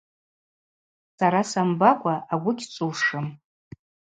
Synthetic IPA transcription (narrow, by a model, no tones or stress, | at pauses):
saɾasambakʷʼaʔaɡʷʊɡʲt͡sʷʼuwʂɨm